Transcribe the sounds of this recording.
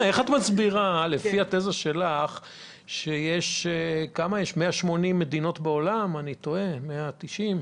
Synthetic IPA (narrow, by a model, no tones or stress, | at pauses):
ʔe̞χat̪mat͡sbiʁale̞fiat̪ezaʃelaχ | ʃejeʃekamajeʃmeaʃmo̞nimːe̞d̪ino̞tbeolamanit̪o̞emeat̪iʃim